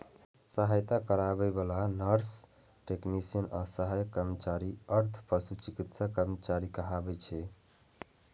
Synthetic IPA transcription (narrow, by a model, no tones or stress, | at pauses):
səɦajt̪akəɾabɛbəlanəɾs | ʈeknisiənasəɦajkəɾmət͡ʃaɾiəɾt̪ʰpəsut͡ʃikit̪sakəɾmət͡ʃaɾikəɦabɛt͡ʃʰɛ